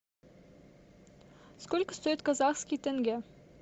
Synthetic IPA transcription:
skolʲkə̥̆st̪ojɪt̪̚kazɑχskʲijt̪eŋɡʲe

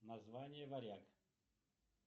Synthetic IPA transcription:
nɐzvanʲɪjəvɐɾʲak

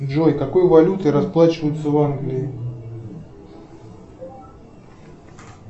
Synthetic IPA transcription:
ʐojkɐko̞jvɐlʲut̪ɨɾɐsplˠat͡ɕɪvəjʊt̪səvanɡlʲɪɪ

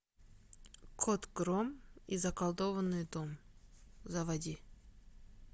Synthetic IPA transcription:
kʰot̪ɡɾomizɐkɐlˠd̪ovənːɨjd̪om | zɐvɐdʲi

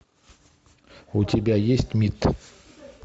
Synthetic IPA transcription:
ʊtʲɪbʲajesʲtʲmʲit̪

